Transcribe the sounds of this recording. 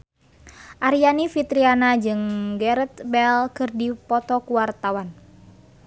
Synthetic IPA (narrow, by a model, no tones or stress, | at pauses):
ʔaɾijanifit̪ɾianad͡ʒɨŋɡɛɾɛt̪bɛlkɨrdipɔt̪ɔkuwart̪awan